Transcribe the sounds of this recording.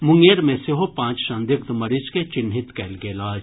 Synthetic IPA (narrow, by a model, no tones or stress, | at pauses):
mʊŋɡeːɾmẽsɪɦopãːt͡ʃʃãnd̪ɪk̚t̪mɐɾɪt͡ʃket͡ʃɪnɦɪt̪kɛlɡeːlaːd͡ʒ